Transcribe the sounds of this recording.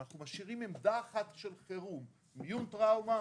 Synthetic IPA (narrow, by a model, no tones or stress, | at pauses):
naχnumaʃiʁimemd̪aːχat̪ʃe̞lχeʁum | mjunt̪ʁawma